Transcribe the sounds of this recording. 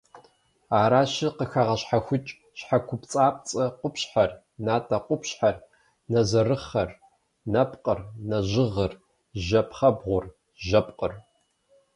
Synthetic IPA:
aːɾaːɕɪqəxaʁɐɕħaxʷʊt͡ʃʼ | ɕħakʷʰʊpt͡sʼaːp̚ʼt͡sʼɐqʷʊpɕħar | naːtʼɐqʷʊpɕħar | nɐzɐrɨχɐr | nɐpʼqʼərnɐʒɪʁɐr | ʒɐpʰχɐbʁʷʊr | ʒɐpʼqʼər

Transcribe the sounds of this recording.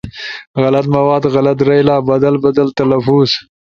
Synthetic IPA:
ɣalat̪mawɑːd̪ɣalat̪̬ɾajlɑːbad̪albad̪alt̪alafuz̥

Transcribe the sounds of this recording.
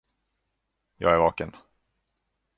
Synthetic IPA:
jɑ̰ːɡæɾvɑːkən

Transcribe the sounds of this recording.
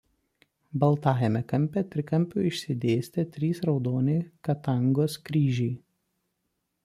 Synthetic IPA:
bɐlˠt̪ɑːjɛmʲɛkɐmʲpʲɛt̪ʲɾʲɪkɐmʲˑpʲuːɪʃʲsʲɪd̪ʲeːsʲt̪ʲɛt̪ʲɾʲiːsɾɒʊd̪oːnʲɛɪkɐt̪ɐŋɡoːskɾʲiːʒʲɛɪ

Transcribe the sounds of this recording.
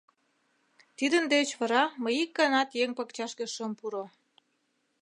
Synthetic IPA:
t̪id̪ənd̪et͡ɕβɑɾɑməjikːɑnɑt̪jeŋpəkt͡ɕɑʃkeʃəmpuɾo

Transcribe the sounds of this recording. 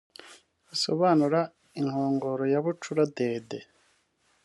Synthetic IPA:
uso̞̰βanuɾa | iŋhoːŋɡo̞ːɾo̞jaβut͡ʃuɾade̞ːde

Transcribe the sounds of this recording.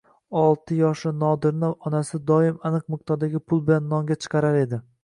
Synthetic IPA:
ɒlˠt̪ʰɪjɒʃlɪnɒd̪ɪɾnɪɒnasɪd̪ɒɪmanɨq̚mɪq̚t̪ʰɒɾd̪aɡʲɪpʰʊlˠbɪlanːɒŋɡʲat͡ʃʰɨ̥qʰɑɾaɾe̞d̪ɪ

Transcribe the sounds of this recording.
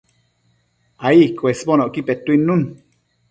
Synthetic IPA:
aikwesbonoʔkipet̪uinːun

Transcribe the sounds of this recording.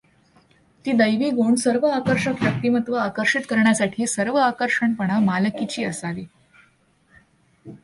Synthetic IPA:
t̪iːd̪əjʋiːɡoɳɖsəɾʋəakəɾʂəkjək̚t̪iːmət̪ʋəakəɾʂit̪kəɾɳjasaʈʰiːsəɾʋəakəɾʂəɳpəɳ̃amaləkit͡ɕiːəsaʋiː

